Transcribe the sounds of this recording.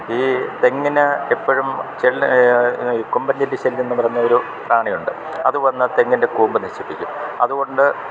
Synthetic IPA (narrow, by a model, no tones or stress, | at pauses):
iːt̪e̞ŋːinɨepːɐɻumt͡ɕeɭ | iːkombɐndindet͡ɕelenːɨpɐrɐjuɲːɐo̞ɾu | praːɳijuɳɖɨ | ɐðuʋɐnːɐt̪e̞ŋːinde̞kuːmbɨniɕipːikʲːumɐðuɣo̞ɳɖɨ